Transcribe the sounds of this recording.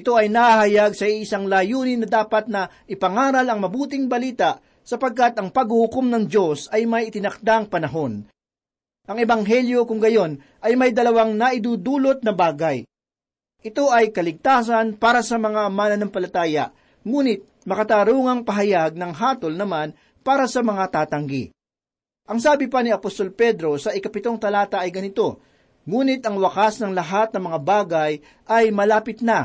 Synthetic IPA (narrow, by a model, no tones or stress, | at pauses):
ʔɪt̪o̞ʔɐjnɐhahɐjaɡsɐiʔːsaŋlaːjuːnɪnɐd̪aːpɐt̪̚nɐʔɪpɐŋaːɾɐlɐŋmɐbuːt̪ɪŋbɐliːt̪aʔ | sɐpɐɡ̚kat̪ʔɐŋpɐɡhʊhʊkomnɐŋd͡ʒo̞sɐjmɐjɪt̪ɪnɐk̚d̪aŋpɐnɐɦo̞n | ʔɐŋɛbɐŋɦɛljo̞kʊŋɡɐjo̞n | ʔɐjmɐjd̪ɐlɐwaŋnɐʔɪd̪uːd̪uːlo̞t̪̚nɐbaːɡɐj | ʔɪt̪o̞ʔɐjkɐlɪɡ̚t̪aːs̬ɐnpaːɾɐsɐmɐŋaʔɐmaːnɐnɐŋpɐlɐt̪aːjɐ̰ʔ | ŋuːnɪt̪̚mɐkɐt̪aːɾuːŋɐŋpɐɦɐjaɡ̚nɐŋɦaːt̪o̞lnɐman | paːɾɐsɐmɐŋat̪aːt̪ɐŋɡḭ | ʔɐŋsaːbɪpɐnɪɐpost̪o̞lpɛd̪ɾo̞sɐʔɪkɐpɪt̪o̞ŋt̪ɐlaːt̪ɐʔɐjɡɐnɪt̪o̞ | ŋuːnɪt̪ʔɐŋwɐkasnɐŋlɐɦat̪̚nɐmɐŋabaːɡɐj | ʔɐjmɐlaːpɪt̪̚nɐ